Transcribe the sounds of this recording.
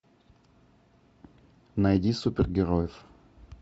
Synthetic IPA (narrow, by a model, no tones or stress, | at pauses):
nɐjdʲisupʲɪrɡʲɪɾojɪf